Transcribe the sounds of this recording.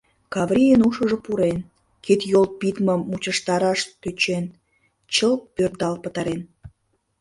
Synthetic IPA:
kɑβɾʲijənuʃə̆ʒəpuɾen | ket̪jolpit̪məmːut͡ɕəʃt̪ɑɾɑʃt̪øt͡ɕen | t͡ɕəlpørd̪ɑlpət̪ɑɾen

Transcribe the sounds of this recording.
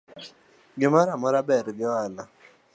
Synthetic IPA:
ɡɪmaɾamɔɾabɛɾɡɪwala

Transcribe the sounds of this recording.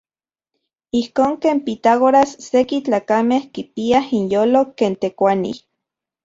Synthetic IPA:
ihkoːŋkeːmpit̪aɣoɾasːekit͡ɬaːkamehkipiahinjoːlokeːnt̪ekʷanḭ

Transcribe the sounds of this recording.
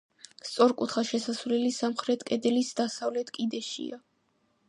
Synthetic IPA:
st̪sʼɔɾkʼut̪ʰχaʃɛsasvlɛlisamχɾɛt̪ʰkʼɛd̪ɛlisd̪asavlɛt̪ʰkʼid̪ɛʃḭa

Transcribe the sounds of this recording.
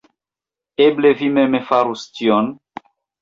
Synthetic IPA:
eblevimemefaɾustion

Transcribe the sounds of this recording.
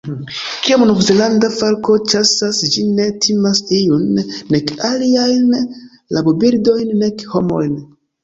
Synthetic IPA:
kiamnuɾzelandafaɾko̞t͡ʃasasd͡ʒine̞tʰimasijunːe̞kaliajn | labobiɾdo̞jnːekho̞mo̞̰jn

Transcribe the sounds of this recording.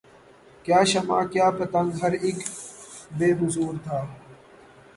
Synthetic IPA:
kjaːʃɐma̰ːkjaːpɐt̪ə̃ŋɡɦɐɾɪk | beːɦʊzuːɾt̪ʰaː

